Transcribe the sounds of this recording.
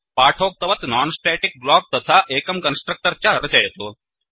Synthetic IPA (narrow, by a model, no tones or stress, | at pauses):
paːʈʰoːk̚t̪ɐʋɐt̪naːnsʈɛːʈik̚blɔːɡ̚t̪ɐt̪ʰaʔeːkɐmkɐnsʈɾək̚ʈəɾt͡ɕjaɐɾɐt͡ɕɐjt̪oː